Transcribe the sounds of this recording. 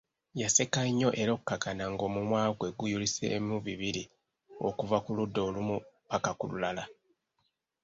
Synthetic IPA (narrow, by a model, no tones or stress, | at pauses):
jase̞kaiɲːo̞ʔe̞ɾo̞kːaɡanaŋɡo̞mumwaːɡwe̞ɡujulisḛmuβiβiɾi | o̞̰kuvakuludːo̞ːlumupakakulṵlala